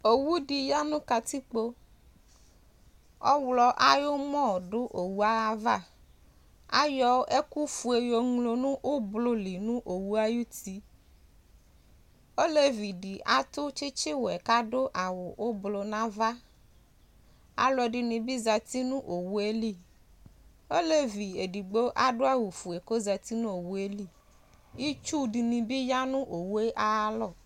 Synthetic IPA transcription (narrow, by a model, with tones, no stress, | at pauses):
o˨wu˦ɖi˨ja˦nũ˦ka˨t̪i˦k͡po˦ | ɔ̰˦wlɔ˦ʔa˦jo˦mɔ̃˦˨ɖo˦ʔo˨wu˦a˦a˨va˦ | a̰˦jɔ˦e˦ku˦fu˨˦e˨jo˨ŋlo˨nũ˦ʔo˦blo˦li˨nũ˦ʔo˨wu˦a˦ju˦t̪i˦ | o˦le˦vi˨ɖi˨ʔa˨t̪ʊ˦t͡ʃi˦t͡ʃi˦wo˨ɛ˨ka˦ɖo˦ʔa˨wo˨ʔo˦blo˨nã˦va˦ | a̰˨lɔ˨ɖi˨nĩ˨bi˦za˨t̪i˦nũ˦ʔo˨wu˦e˦li˦˨ | o˦le˦vi˨e˨ɖi˨ɡ͡bo˦ʔa˦ɖo˦a˦wu˨fu˨e˨ko˦za˨t̪i˦nũ˦o˨wu˦e˦li˦˨ | ji˦t͡ʃu˦ɖi˨nĩ˨bi˦ja˦nũ˦ʔo˨wu˦e˦ʔa˨˦lɔ˨